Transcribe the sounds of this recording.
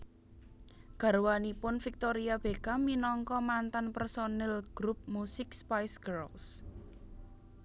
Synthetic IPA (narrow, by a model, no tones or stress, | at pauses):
ɡ̥a̤ɾwanipʊnfik̚t̪oɾiab̥ekaminɔŋkɔmant̪anpɛrsonɛlɡ̥ɾup̚musɪkspajsɡ̥ɛɾls